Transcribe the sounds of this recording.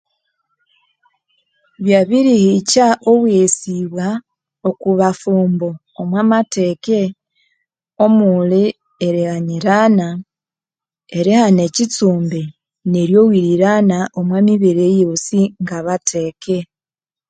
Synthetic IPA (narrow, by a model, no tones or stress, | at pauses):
βjaβiɾihicaʔoβwesiβwa | okuβafuːmboːmwaːmateke | o̞muli | eɾihaɲiɾana | eɾihane̞cit͡suːmbe | neɾjo̞wiɾiɾanaʔomwamiβiɾejosiŋɡaβateːke